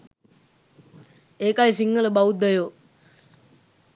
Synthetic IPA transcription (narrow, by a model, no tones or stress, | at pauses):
eːkajsiŋːələbaud̪əjoː